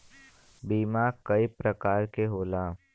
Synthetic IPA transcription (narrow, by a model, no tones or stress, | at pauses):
biːmaːkɐipɾɐkaːɾkeɦoːlaː